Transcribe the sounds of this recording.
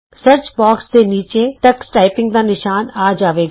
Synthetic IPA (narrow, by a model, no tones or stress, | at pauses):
səɾt͡ʃbaːksd̪eːniːt͡ʃeːʈəksʈaːɪpɪ̃ŋɡd̪aːnɪʃaːnaːd͡ʒaːʋeːɡ